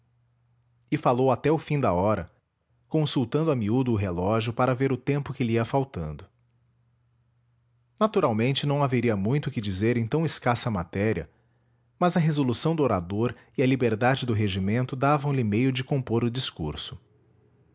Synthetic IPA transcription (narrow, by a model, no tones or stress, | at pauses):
ɪfalowat̪ɛʊfĩd̪ɐɔɾɐ̰ | kõsuwt̪ɐ̃nd̪ʊɐmiud̪ʊːɦelɔʒjʊpaɾɐveɾʊt̪ẽmpʊkɪliiɐfawt̪ɐ̃nd̪ʊ | nat̪uɾawmẽnt͡ʃɪnɐ̃w̃aveɾiɐmũj̃t̪ʊkɪd͡ʒizeɾẽj̃t̪ɐ̃w̃ɪskasɐmat̪ɛɾiɐ̰ | mɐzɐɦezolusɐ̃w̃d̪ʊoɾad̪oɾ | ɪɐlibeɾd̪ad͡ʒɪd̪ʊɦeʒimẽnt̪ʊd̪avɐ̃w̃lɪmejʊd͡ʒɪkõpoɾʊd͡ʒiskuɾsʊ̥